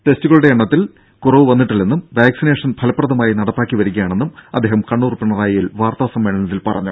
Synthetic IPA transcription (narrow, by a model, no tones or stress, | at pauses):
ʈe̞stuɣɐɭuɽeeɳːɐt̪ːil | kurɐʋɨʋɐnːiʈːilːe̞nːumʋaːksine̞ːʂɐnpʰɐlɐpːrɐðɐmaːjinɐɽɐpːaːkːiʋɐɾuɣɐjaːɳe̞nːumɐd̪ːeːhɐmkɐɳːuːrpːeɳɐraːjijilʋaːrt̪aːsɐmːeːɳɐnnɐðilpɐrɐ̰ɲːu